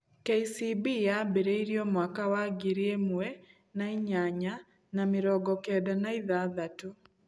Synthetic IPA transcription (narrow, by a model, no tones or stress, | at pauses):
keisibijabɛɾeiɾjɔmwakawaɡiɾiemuwɛ | naiɲaɲa | nameɾɔɡɔkɛdanaiðaðato